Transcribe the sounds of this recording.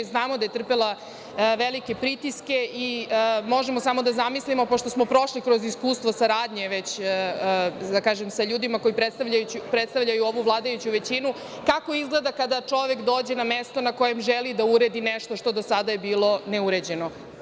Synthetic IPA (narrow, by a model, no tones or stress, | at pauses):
znaːmod̪ajet̪r̩pelˠa | ʋelike̞pɾit̪iske̞ʔimo̞ʒemosamo̞d̪azamislimo̞po̞ʃt̪o̞smopɾo̞ʃlikɾo̞ziskuːst̪ʋo̞saɾaːd̪ɲeʋet͡ɕː | d̪akaːʒemsaʎuːd̪imako̞ipɾet̪st̪aʋʎajuupɾet̪st̪aʋʎajuo̞ʋuʋlˠaːd̪ajut͡ɕuʋe̞t͡ɕinu | kako̞izɡle̞d̪akad̪at͡ʂo̞ʋekd̪o̞ːd͡ʑe̞namest̪o̞nako̞je̞mʒelid̪auɾe̞d̪ineʃt̪o̞ʃt̪o̞d̪o̞sad̪ajebiːlˠo̞ne̞uɾed͡ʑeno